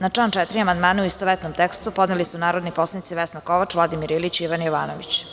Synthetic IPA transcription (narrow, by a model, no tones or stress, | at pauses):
nat͡ʂaːnt͡ʂɛt̪ɾiamand̪maːneuist̪oʋet̪nomt̪ekst̪upo̞d̪nelisunaːɾod̪niposlanit̪siʋesnakoʋat͡ʂʋlˠad̪imiɾilit͡ɕiiʋanjoʋaːnoʋḭt͡ɕ